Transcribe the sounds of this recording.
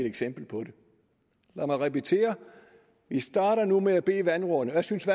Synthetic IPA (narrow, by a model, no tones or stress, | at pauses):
deɡ̥sem̰b̥l̩pʰɒ̽ɾe̝ | læmɑɪʁɛpit͡sʰe̝̰ːɐ | ʋisd̥ɑ̈ːɾ̥ɐnumeæb̥e̝̰ːʋænʁɔnəjäsynsʋæ